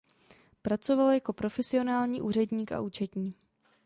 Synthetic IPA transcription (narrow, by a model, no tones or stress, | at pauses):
pɾat͡so̞valjako̞pɾo̞fɛsɪo̞naːlɲiːʔuːr̝ɛdɲiːka̰ʔuːt͡ʃɛt̪ɲiː